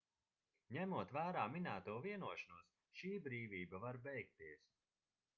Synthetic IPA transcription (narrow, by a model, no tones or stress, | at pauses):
ɲæmuɔt̪væːɾaːminæːt̪uɔviɛnuɔʃanuɔs | ʃiːbɾiːvʲiːbavaɾbɛjk̚t̪iɛs